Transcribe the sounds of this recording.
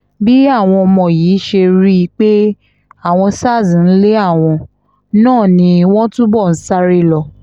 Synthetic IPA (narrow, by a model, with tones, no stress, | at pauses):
bi˦a˦˨w̃ɔ̃˧ɔ˧mɔ̃˨jiː˨˦ʃe˧ɾi˦˧k͡pe˦ | a˦˨w̃ɔ̃˧sa˦˨zĩ˨n̩˦le˦a˦˨w̃ɔ̃˧ | nãː˦˨nĩ˧w̃ɔ̃˦tũ˦bɔ˦˨n̩˨˦sa˦ɾi˦˨lɔ˧